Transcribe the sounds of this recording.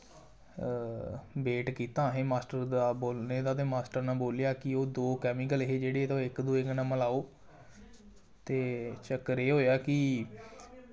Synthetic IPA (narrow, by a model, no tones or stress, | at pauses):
beːʈkiːt̪ãːɦẽːmaːsʈəɾd̪aːboːlneːd̪aːt̪̬eːmaːsʈəɾnãːboːljaːkɪoːd̪oːkɛːmɪk̬əlɦeːd͡ʒeːɽeːeːt̪oɪkd̪oːeknãːməlaːoː | t̪eːt͡ʃəkːəɾeːɦoːjaːkɪ